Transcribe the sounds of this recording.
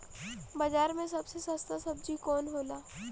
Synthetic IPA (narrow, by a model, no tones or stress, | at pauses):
baːd͡ʒaːɾmẽsɐbsesəst̪asɐb̚d͡ʒikɔːnɦoːlaː